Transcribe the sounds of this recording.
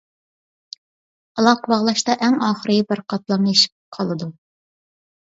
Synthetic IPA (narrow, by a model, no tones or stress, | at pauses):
ɑlˠɑqʰbɑʁlˠɑʃt̪ɑʔɛŋɑːχəɾɨbæɾqʰɑt̪̚lˠɑmjeʃi̥p̚qʰɑlˠɨd̪u